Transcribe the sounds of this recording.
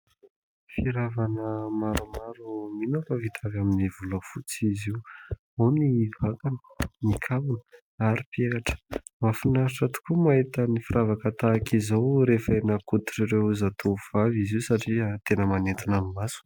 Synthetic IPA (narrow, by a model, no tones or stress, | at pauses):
fiɾavanəmaɾumaɾuminafəvit̪ʰavaminivuləfut͡siziw | onivakanə̥nikʰavunə̥ | aɾipiekaʈ͡ʂə̥ | mafinaɾiʈ͡ʂat̪u̥kumaɦit̪ənifiɾavakət̪aːkizawɾefəenakut̪u̥ʈ͡ʂiɾewzat̪ʰov̥aviziusaʈ͡ʂiat̪enəmanet̪inamimasu̥